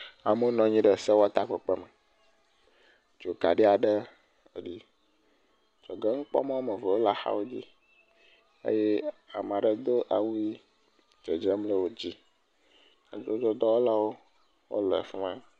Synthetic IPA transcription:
a˨mo˦nɔ̃˨ɲĩ˦ɖə˨se˦wo˦a˦t̪a˦k͡pe˨k͡pɛ˦mɛ˨ | d͡ʒo˨ka̰˨ɖi˦a˨ɖə˦ | ḛ˨ɖi˦ | d͡ʒɔ˨ɡɛ˦ŋ̩˦k͡pɔ̰˦mã˦wo˦mẽ˨ve˨wo˦la˨xa̰˦wo˦d͡ʑḭ˦ | ḛ˦je˦a˨m˨ã˨ɖə˨d̪o˦ʔa̰˨wu˦i˦ | d͡ʒe˨d͡ʒe˦mle˦wo˦d͡ʑi˦ | a̰˨d͡ʒo˦d͡ʒɔ˦d̪ɔ˦wo˦la˦wo˦ | wo̰˦lɛ̰˨fi˦mã˦

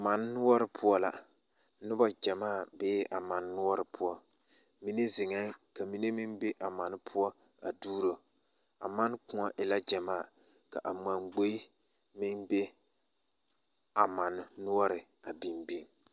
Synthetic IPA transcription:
ma˨n˦nʊ˦wɔ˦ɾɨ˨pʰu˦ɔ˦la˨ | nɨ˦ba˦d͡ʒa˨maː˦˨beː˦ʔa˨ma˨nː˦ʊ˦ɔ˦ɾɨ˨pʰʊ˦ɔ˦ | mi˦ne˦zɪ˨ŋa˦ka˨mi˦ne˦mi˦nbe˦ʔa˨ma˨nɪ˦pʰu˦ɔ˦ | a˨duː˦ɾo˨ | a̰˨ma˦n˦kʊ̃˨ŋa˨ʔɪ˨la˦d͡ʒa˨maː˦˨ | ka˨ʔa˨ma˨nɡ͡bo˦ | mɪ˦nbe˦ | a˨ma˨nː˦ʊ˦ɔ˦ɾɪ˨ | a˨bi˨mbi˦m

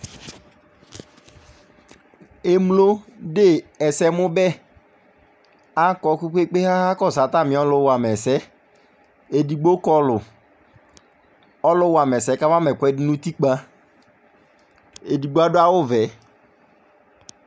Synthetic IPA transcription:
e˨mlo˦de˦˨ɛ˨sɛ˦mʊ˦bɛ˦ | a˦kɔ˨˦ku˦ke˦k͡pe˦ha˦ha˦kɔ˦˨sa˨ta˦˨mɪ̃˨˦ɔ˦lʊ˦wa˨mɛ˨sɛ˦ | e˨di˨ɡ͡bo˦kɔ˦lʊ˨ | ɔ˦lʊ˦wa˨mɛ˨sɛ˨˦ka˦va˦mɛ˨kʷɛ˦dɪ˦nũ˦ti˦k͡pa˦ | e˨di˨ɡ͡bo˦a˦dʊ˦a˦wʊ˦vɛ˨˦

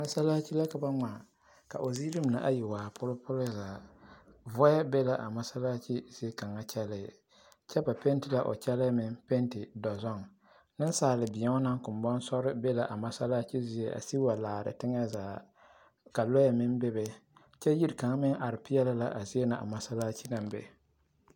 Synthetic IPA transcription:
ma˦sa˦laː˦t͡ʃi˦la˦ka˨ba˦ŋa˨ | ka̰˨ʔo˨ziː˦ɾɪ˦m˨na̰˨ʔa̰˦jɪ˨waː˨pʊ˦lɪ˦pʊ˦lɪ˦zaː˨ | vɔ˦a˦be˦la˦ʔa̰˨ma˦sa˦la˦t͡ʃi˦z̥i˦e˦ka˨ŋa˦t͡ʃɛ˦lɪ˦˨ | t͡ʃɛ˦ba˨pe˦n˦tɪ˨la˦ʔo̰˨t͡ʃɛ˦la˦mɪ˦npe˦ntɪ˨dɔ˨zɔ˦n | nɨ˦n˦saː˨lɪ˨bɪ˨ɛ˦ŋɔ˦na˦ŋ˦kʊ˨m˨bɔ˦n˦sɔ˦ɾɨ˦bɛ˦la˨ʔa˨ma˦sa˦laː˦t͡ʃi˦zi˦e˦ʔa̰˨si˦a˨laː˨ɾɨ̰˨tɪ˦ŋa˦zaː˨ | ka˨lɔ˦jɛ˦mɪ˦nbɛ˦bɛ˨ | t͡ʃɛ˦ji˦ɾka˨ŋa˦mɪ˦ŋʔa˨ɾɪ˨pɪ˦jɛ˦la˦la˨ʔa˨zi˦e˦na˨ʔa̰˨ma˦sa˦laː˦t͡ʃi˦na˨mbɛ̰˨

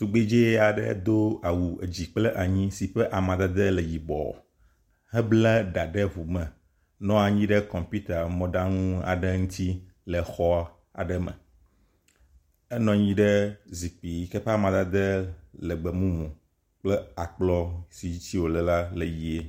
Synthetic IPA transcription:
t̪u˨ɡ͡be˦d͡ʒe˦a˨ɖɛ̰˦d̪o˦a˨wu˨ḛ˨d͡ʑi˨k͡plɛ˦ʔa˨ɲĩ˦si˨ɸɛ˦ʔa˨mã˨d̪a˦d̪e˦lɛ˨ji˨bɔ̰˨ | ɦɛ˦blɛ˦ɖa˨ɖɛ˦vu˨mɛ̃˨ | nɔ̃˦a˨ɲĩ˦ɖɛ˦kɔ̃˨mpu˦t̪a˨mɔ̃˦ɖa˦ŋũ˦a̰˨ɖɛ˦ŋũ˦t̪i˦ | lə˨xɔ˦ | a̰˨ɖɛ˦mɛ̰̃˨ | ɛ˦nɔ̃˨ɲĩ˦ɖɛ˦zi˨k͡pi˨˦kɛ˦ɸe˦a˨mã˨d̪a˦d̪ə˦lɛ˨ɡ͡bɛ˨mũ˦mũ˨ | k͡plɛ˦a˨k͡plɔ˦si˨i˦t͡ɕi˦wo˨lɛ˨la˦le˨ji˦e˦

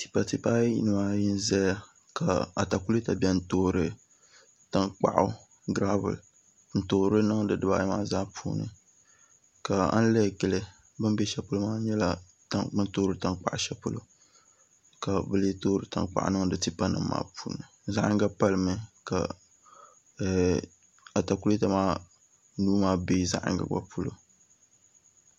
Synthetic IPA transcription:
ti̥˨pa˨ti˦pa˦jḭ˦nɨ˨ma˦ji˦n˦zɛ˦a˦ | ka˨a˨ta˨ku˦li˦ta˨bʲɛ˦n̩˦toː˦ɾɨ˦ | ta˦ŋk͡pa̰˨ʔʊ˦ | ɡɾa˦bɨ̰˨l | n̩˨toː˨˦ɾɨ˦nɨ˦ŋdɨ˨dɨ˨ba˦maː˦zaː˦pʰṵː˦nɨ̰˨ | ka˨a̰˦n̩˦lɛ˦˨ɡɨ˨lɨ˦ | bɨ˦m˦bɛ˦ʃɛ˨pʊ˦lmaː˦ɲɛ˦la˨ | ta˦bɨ˦n˦toː˦ɾɨ˦ta˦ŋk͡pa˦ʔʃɛ˦pʊ˦lo̰˦ | ka˨bɨ˦le˦toː˦ɾɨ˦ta̰˨ŋk͡pa̰˨ʔa̰˦nɨ˦ŋdɨ˨ti˦pa˦nɨ̰˨m̩ː˦a̰ː˦puː˦nɨ˨za˦ʔa̰˦ŋ˦ɡa˦pa˦lmɨ˦ka̰˨ | a˨ta˨ku˦lta˦maː˦ | nuː˦maː˦be˦za̰˦ʔa̰˨ŋɡa̰˨ɡ͡ba̰˦pʰu˦lo̰˨

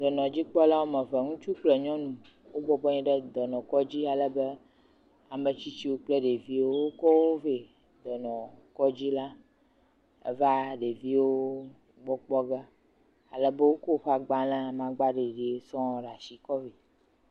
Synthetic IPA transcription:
d̪ɔ˨nɔ̃˨d͡ʑi˦k͡pɔ˦la˦wo˦mɛ̃˨vɛ˨ŋũ˦t͡ʃu˦k͡plɛ˨ɲɔ̃˦nũ˨ | wo˦bɔ˨bɔ˦ɲĩ˦ɖɛ˦d̪ɔ˨nɔ̃˨kɔ˦d͡ʑi˦a˨lə˦be˦ | a˨mɛ̃˨t͡ɕi˦t͡ɕi˦wo˦k͡plɛ˦ɖe˨vi˦wo˦wo˦kɔ˦wo˦ve˨ | d̪ɔ˨nɔ̃˨kɔ˦d͡ʑi˦la˦ | ḛ˨va˦ɖe˨vi˦wo˦ | ɡ͡bɔ˦k͡pɔ˦ɡɛ˦ | a̰˨lɛ˦be˦wo˦kɔ˦ɸa˨ɡ͡ba˦lã˦a˨mã˨ɡ͡ba˦ɖe˨ɖe˨˦sɔ̃˦˨ɖa˨si˨kɔ˦vi˨

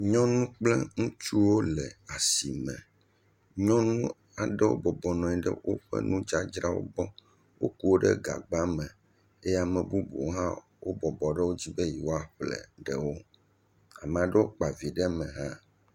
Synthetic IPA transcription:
ɲɔ̃˦nũ˦k͡plɛ˦ŋũ˦t͡ʃu˦wo˦lɛ˨a˨si˨mɛ̰̃˨ | ɲɔ̃˦nũ˦ | a˨ɖɛ˦wo̰˦bɔ˨bɔ˨nɔ̃˨i˨ɖɛ̰˦wʔo̰˦ɸɛ̰˦nũ˦d͡ʒa˦d͡ʒɾa˦wo̰˦bɔ˦ | wo̰˦ku˦wo˦ɖɛ˦ɡa̰˨ɡ͡ba˦mɛ̃˨ | e˦ja˨mɛ̃˨bu˦bu˨˦ɦã̰˦ | wo˦bɔ˨bɔ˨ɖɛ˦wo˦d͡ʑi˦bɛ˦ji˨wo˦a˦˨ɸlɛ̰˨ɖɛ˦wo˦ | a˨mɛ̃˨a˨ɖɛ˦wo˦k͡pa˨vi˨ɖɛ˦mɛ̃˨ɦã˦

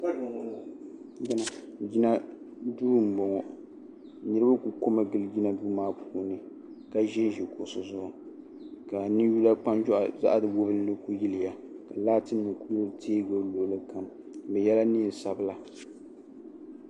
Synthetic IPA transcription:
d͡ʒna˨d͡ʒi˦na˦ | duː˦ɾm̩˨bɔ˨ŋɔ˨ | nɨ˦ɾɨ˦ba˦ku˨ko˦mɨ˦ɡɨ˦ld͡ʒi˦na˦du˦maː˦pʰu˦nɨ˨ | ka˨ʒɛ˦ʒi˨ko˨so˨zʊ˦˨ʔʊ˨ | ka˨nɨ˦ju˦la˦k͡pa˦md͡ʒɔ˦ʔa̰˨za̰˦ʔa˦dɨ˨wʊ˦bɨ˦lɨ˦ku˦ji˦lɪ˨ja˨ka˨laː˦tɨ˦nːɨ˨ku˦lo˦tʰeː˦ɡo˦lo˨˦lɨ˦ka˨m | bɛ˨jɛ˦la˦ni˦˨sa˨bɨ˦la˨

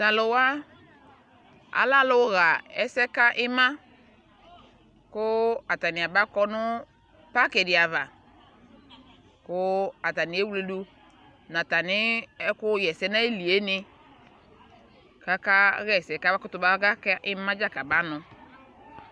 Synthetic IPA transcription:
ta˨lʊ˨wa˦ | a̰˨˦la˦lʊ˦ɣa˨ɛ˦sɛ˦ka˦ʔɪ˦mã˦ | kʊ˦a˨ta˨nɪ˨a˨ba˦kɔ˦nʊ˦ | pa˦ke˨dɪ˨a˨va˨ | kʊ˦a˨ta˨nɪ˨˦e˦wu˦le˨du˦ | na˨ta˨nɪ˦ɛ˦kʊ˦jɛ˨sɛ˦na˦i˦li˨e˦nɪ˦ | ka˦ka˦ɣɛ˨sɛ˨ka˦βa˦kʊ˦tʊ˨ba˦ɡa˦ka˦ʔɪ˦mã˦d͡ʒa˦ka˨ba˦nʊ˨

